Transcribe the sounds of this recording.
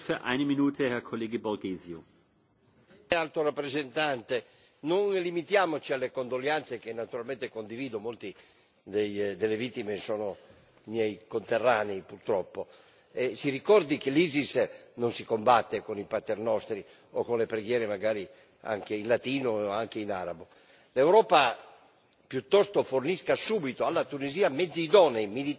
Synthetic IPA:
fyɐʔa̰ɪnəminuːtʰəhɛɐkʰoleːɡəbɔʁɡeːzjo | alt̪orapːɾezent̪ant̪e | nonlimit̪jaːmot͡ʃialːekond̪oljant̪sek̟enːat̪uɾalment̪ekond̪iviːd̪omolt̪i | d̪ejd̪elːevit̪ːimesoːno | mjɛjkont̪erːaːneipurt̪ɾɔpːo | ɛsirikɔrd̪ik̟eliːzisnonsikombat̪ːekonipat̪ːɛrnɔst̪ɾi | okonlepɾeɡjɛːɾemaɡaːɾi | a̰ŋk̟einlat̪iːnoaŋkeinaɾabo | lewɾɔːpa | pjut̪ːɔst̪oforniskasuːbit̪oalːat̪uniziːamɛd̪zːiːd̪ɔneimili

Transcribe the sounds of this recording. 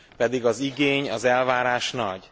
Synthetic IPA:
pɛd̪iɡɒziɡeːɲɒzɛlvaːɾaːʃnɒɟ

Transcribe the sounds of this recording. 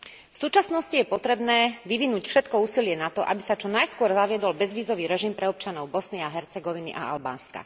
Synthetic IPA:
fsuːt͡ʃasnɔscijɛpɔt̪ɾɛbnɛːʋiʋinuːcfʃɛt̪kɔuːsilɪɛnat̪ɔʔa̰bisat͡ʃɔnajskʊɔɾzaʋɪɛd̪ɔlbɛzʋiːzɔʋiːɾɛʒimpɾɛɔp̚t͡ʃanɔʊbɔsniaɦɛɾt͡sɛɡɔʋinḭʔa̰a̰lba̰ːnska̰

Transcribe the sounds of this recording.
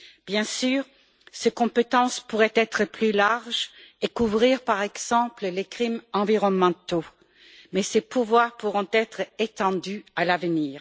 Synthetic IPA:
b̥jɛ̃syːʁ | sekɔ̃pet̪ɑ̃spuʁɛt̪ɛt̪χəplylaʁʒekuvʁiʁpaʁɛɡz̥ɑ̃pləlekχimɑ̃viʁɔnmɑ̃t̪o | mɛsepuvwaːʁpuʁɔ̃t̪ɛt̪χet̪ɑ̃d̪yalavniːʁ

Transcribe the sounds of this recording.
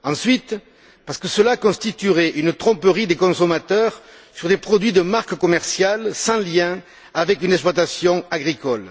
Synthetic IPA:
ɑ̃sɥit̪ | paʁskəsəlakɔ̃st̪it̪yʁɛʔynət̪χɔ̃pəʁid̪ekɔ̃sɔmat̪œʁ | syʁd̪epχɔd̪ɥid̪əmaʁkəkɔmɛʁsjalsɑ̃ljɛ̃ | avɛkynɛkspwat̪asjɔ̃aɡʁikɔl

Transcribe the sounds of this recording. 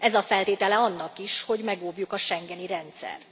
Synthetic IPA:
ɛzɒfɛlt̪eːt̪ɛlɛɒnːɒkiʃho̞ɟmɛɡoːvjukɒʃɛŋɡɛniɾɛnt̪sɛ̰r

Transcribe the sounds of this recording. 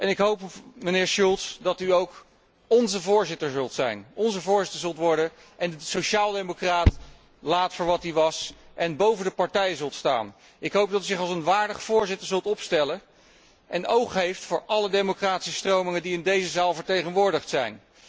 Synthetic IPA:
ʔɛnɪkɦowpmənɪːɹʃulˠtsdɑtyowk | ɔnzəvʊːɹzɪtəɹzɵlˠtsɛ̰jnɔnzəvʊːɹzɪtəɹzɵlˠtʋɔɹdə | ʔɛndəsoʃaːlˠdejmokraːt | laːtfʊːɹʋɑtiʋɑsʔɛnbowvəndəpɑɹtɛjəzɵlˠtsta̰ːn | ɪkɦowp̚dɑtyzɪχɑlˠsənʋaːɹdəχfʊːɹzɪtəɹzɵlˠtɔpstɛlə | ʔɛnowχɦejftfʊːɹʔɑlədejmokraːti̥səstrowmɪŋəndiɪndejzəzaːlˠvəɹtejχənʋʊːɹdəχtsɛ̰jn

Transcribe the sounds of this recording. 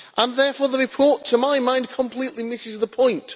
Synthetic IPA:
ʔə̃nðɛɹfɔːɹðəɹɪpʰɔɹtʰəmaɪmãɪ̃nkʰə̃mpʰl̥iʔlimɪsɪzðəpʰɔ̃ɪ̃nt

